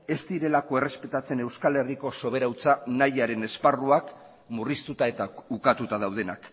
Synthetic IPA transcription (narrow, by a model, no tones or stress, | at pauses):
e̞st̪iɾe̞lako̞e̞re̞spe̞t̪at͡se̞ne̞wskale̞riko̞so̞β̞e̞ɾawt͡sanajaɾe̞ne̞sparuak | murist̪ut̪ae̞t̪aukat̪ut̪að̞awð̞e̞nak